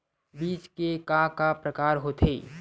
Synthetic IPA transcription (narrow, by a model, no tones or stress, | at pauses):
biːt͡ʃkekãkapɾəkaːɾɦot̪ʰeː